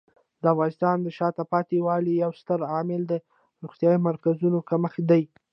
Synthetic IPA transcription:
d̪əafɣɑnɪst̪ɑnd̪əʃɑt̪apɑt̪ewɑlijawst̪əɾɑmɪld̪ə | ɾuɣt̪jɑimaɾkazunokaməxd̪aj

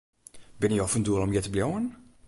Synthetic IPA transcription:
bɪniɔfənduəlˠɔmjɛtəbljowən

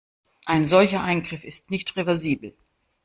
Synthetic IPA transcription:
ʔaɪnzɔlçɐʔaɪnɡʁɪfɪstnɪçtʁevɛɐziːbl̩

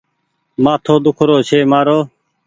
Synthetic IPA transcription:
mãːt̪ʰoːd̪ʊkʰɾoːt͡ʃʰeːmaːɾoː

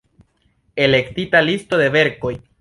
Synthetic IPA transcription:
e̞le̞ktitalisto̞de̞ve̞ɾko̞j

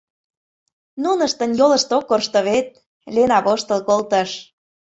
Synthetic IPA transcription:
nunəʃt̪ə̆njolə̆ʃt̪okːorʃt̪ŏβet̪̚ | lʲenɑpoʃt̪olkolt̪əʃ

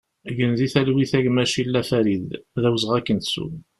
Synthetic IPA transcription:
ʝənðiθælwiθæʝmæʃilːæfæɾiððæwzʁækːənt̪sṵ

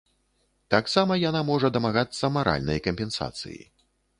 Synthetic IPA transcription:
t̪aksamɐjanamɔʐɐd̪ɐmaɣat̪sːɐmaɾʔa̰lʲnɐ̰jkɐmʲpʲɛnsa̰t̪sɨ̰jḭ

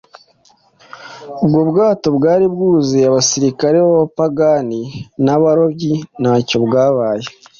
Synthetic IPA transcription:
ubɡobɡaːto̞bɡaːɾibɡuːzeaβasiɾikaɾeβaβapaɡaninaβaɾo̞bɟinaco̞bɡaːβaːje

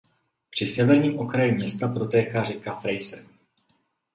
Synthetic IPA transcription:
pr̝̥ɪsɛvɛɾɲiːmʔo̞kɾajimɲɛst̪apɾo̞t̪ɛːkaːrɛkafɾɛjsɛ

